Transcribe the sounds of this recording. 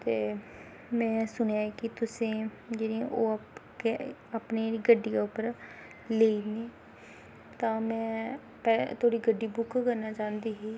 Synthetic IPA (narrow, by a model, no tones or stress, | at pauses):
t̪eː | mɛ̃ːsʊɳejaːɛkɪt̪ʊsẽː | d͡ʒeːnĩːʔoːkeapneɾiːɡəɖijaːʊpːəɾ | leːiːneː | t̪ãːmɛ̃ː | pɛt̪ʰoːɽiːɡəɖiːbʊkkəɾnaːt͡ʃãːnd̪iːɦiː